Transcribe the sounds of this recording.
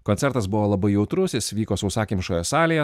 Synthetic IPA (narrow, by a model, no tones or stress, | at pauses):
konʲsʲɛɾt̪ɐsbʊʋoːlˠɐbɐɪjɛʊt̪ɾʊsʲɪsʋʲiːkoːsɐʊsɑːkʲimʲʃoːjɛsɑːlʲejɛ